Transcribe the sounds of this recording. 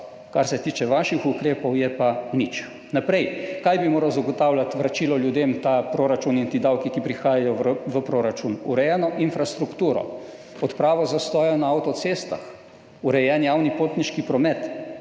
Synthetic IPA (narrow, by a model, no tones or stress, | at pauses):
kaɾsɛt̪iːt͡ʃɛʋaʃixukɾeːpɔwjɛpanit͡ʃ | napɾɛjkajbimoːɾawzaɡɔt̪aːwlʲjat̪ʋɾat͡ʃiːlɔljud̪emt̪apɾoːɾat͡ʃunint̪iːd̪awkikipɾixaːjajɔʋəpɾoɾat͡ʃunuɾɛjɛːnɔʔinfɾast̪ɾukt̪uːɾɔ̰ | ɔt̪pɾaːʋɔzast̪ɔːjɛnaawt̪ɔt̪seːst̪a̰x | uɾɛjɛnjawnipoːt̪niʃkipɾɔmɛt̪